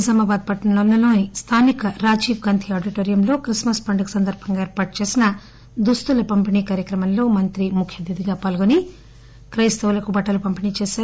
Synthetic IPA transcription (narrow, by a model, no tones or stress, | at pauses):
sɐmaːbaːd̪̚pɐʈnɐlɐnːɐlo̞ːnist̪ʰaːnikɐɾaːd͡ʒiːʋɡɐnt̪ʰiaːɖiʈoːɾijɐmlo̞ːkɾismɐspɐɳɖɐkisɐnd̪ɐɾbʱɐŋɡaːeːɾpaːʈ̚t͡ʃe̞ːsinɐ | d̪ust̪ulɐpɐmpiniːkaːɾjɐkɾɐmɐmlo̞ːmɐnt̪ɾimukʰjɐd̪id̪iɡaːpɐːlɡuni | kɾɐjst̪ɐʋulɐkubɐʈːɐlupɐmpiniːt͡ʃeːsaː